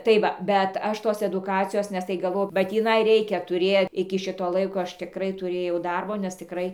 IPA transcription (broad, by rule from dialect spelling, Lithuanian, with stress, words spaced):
tɐɪ ˈʋɐ bʲɛt ˈɐʃ ˈtoːs ɛdʊˈkɑːt͡sʲɪjoːs nʲɛs tɐɪ ɡɐˈʋɐʊ bɐ tʲiːˈnɐɪ ˈrʲɛɪkʲɛ tʊˈrʲeː ɪkʲɪ ˈʃʲɪtoː ˈlˠɐɪkoː ˈɐʃ tʲɪˈkrɐɪ tʊˈrʲeːjɛʊ ˈdɐrboː nʲɛs tʲɪˈkrɐɪ